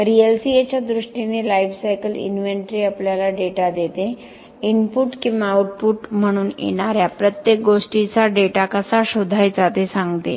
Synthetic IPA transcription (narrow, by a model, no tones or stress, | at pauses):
ɾielsiet͡ɕjad̪ɾuʂʈinelaiʋsajkəlḭnʋeɳʈɾiːapljalaɖeʈad̪et̪e | inpuʈkĩʋauʈ̚puʈm̤əɽ̃uːnjḛɽ̃aɾjapɾət̪jek̚ɡoʂʈit͡saɖeʈakəsaɕod̪ʱajd͡zat̪esãŋɡt̪ḛ